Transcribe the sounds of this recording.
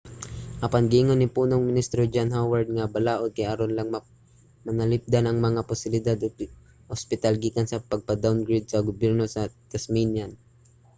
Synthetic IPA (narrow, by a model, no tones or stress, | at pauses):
ʔɐpanɡɪʔɪŋonːɪpuːnoŋmɪnist̪ɾod͡ʒanɦawaɹd̪̚ŋabɐlaːʔod̪̚kajɐɾonlaŋm | mɐnɐlɪp̚d̪anɐŋmɐŋapʊsɪlɪd̪ad̪ | ʔʊspɪt̪alɡiːkansɐpɐɡ̚pɐd̪awnɡɹɪd̪̚sɐɡʊbjɛɾnosɐt̪ɛsminjan